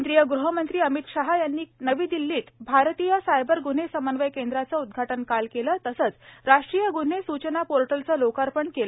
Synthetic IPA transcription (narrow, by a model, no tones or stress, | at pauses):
nt̪ɾijəɡɾuɦəmənt̪ɾiːəmit̪ɕaɦajanːiːnəʋiːd̪ilːiːt̪bʱaɾt̪ijəsajbəɾɡun̤esəmənʋəjkend̪ɾat͡səud̪̚ɡʱaʈənkalkeləːt̪əsət͡sɾaʂʈɾijəɡun̤esut͡ɕənapoɾʈəlt͡səːlokaɾpəɳkelə